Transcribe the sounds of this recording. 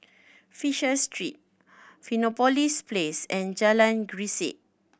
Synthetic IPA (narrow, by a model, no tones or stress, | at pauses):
fiʃəstʰɹit̚ | finɔpɔlisplesɛ̃nd͡ʒalãnɡɹiseʔ̚